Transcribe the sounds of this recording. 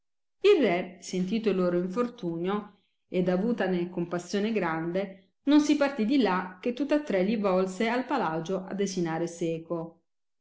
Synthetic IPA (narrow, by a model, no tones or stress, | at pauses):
ilrːɛsent̪iːt̪oilːoːɾoiɱfort̪uːnjo | ed̪avuːt̪anekompasːjoːneɡɾand̪e | nonsipart̪id̪ilak̟et̪ːut̪ːat̪ːɾɛʎːivɔlsealpalad͡ʒoʔa̰d̪ːezinaːɾesɛːko